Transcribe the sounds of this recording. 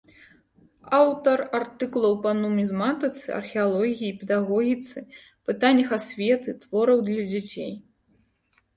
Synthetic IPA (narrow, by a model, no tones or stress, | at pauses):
awt̪ɐrart̪ɨkulˠɐwpɐnumʲizmat̪ɐt̪sɨ̰ɐ̰rxʲɛalˠɔɣʲijipʲɛd̪aɣɔɣʲit̪sɨ | pɨt̪anʲːɐxasʲvʲɛt̪ɨt̪v̥ɔɾɐwd̪lʲɐd͡zʲat͡sʲḛj